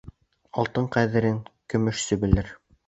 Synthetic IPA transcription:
ɑlˠt̪ɤɴqæðɘ̆ɾɘŋkɵ̆mɵ̆ʃsɵbɘ̆lɘɾ

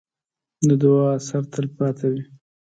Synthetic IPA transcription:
d̪əd̪ʊwɑasaɾt̪əlpɑt̪ʰawi

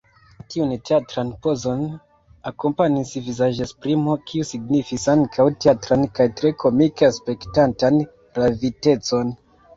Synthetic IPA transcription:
tiunteatɾanpo̞zo̞n | ako̞mpanisvizaʒespɾimo̞kʰiusiɡnifisaŋkʰawteatɾankajtɾe̞kʰo̞mikeaspe̞ktantan | ɾavite̞t͡so̞n

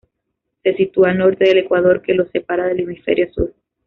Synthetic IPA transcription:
se̞sit̪uano̞ɾt̪e̞ðele̞kwað̞o̞ɾke̞lo̞sepaɾaðe̞lemifḛɾjosṵɾ

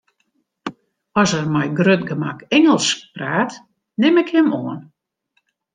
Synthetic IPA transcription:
ɔsərmɛjɡrøtɡəmakɛŋəlˠspraːt | nɪmɪkhɪmoən

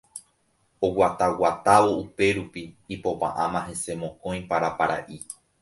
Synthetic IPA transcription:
owʷat̪awat̪aʋo̞upe̞ɾupiːpo̞pa̰ʔãmãɦe̞se̞mõ̞kõ̞j̃paɾapaɾa̰ʔi

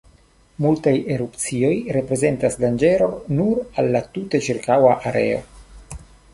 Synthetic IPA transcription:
multajeɾupt͡sio̞jɾe̞pɾe̞ze̞ntasdand͡ʒe̞ɾo̞nuɾalːatute̞t͡ʃiɾkawaʔaɾe̞̰o̞̰

